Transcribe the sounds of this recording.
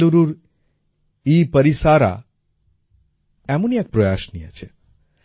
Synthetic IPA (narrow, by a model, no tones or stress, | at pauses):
uɾuɾ | ipəɾisaɾa̰ | ɛmũniɛk̚pɾojaʃnijə̰t͡ʃʰe